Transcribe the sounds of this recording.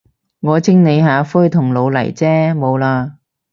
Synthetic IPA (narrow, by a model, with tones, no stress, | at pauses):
ŋɔː˨˧t͡sɪ˥ŋne˨˧jɦaː˨˧fʊː˥jt̪ʰʊ˨˩ŋlo˨˧wlɐ˨˩jt͡sɛː˥mo˨˧wlaː˧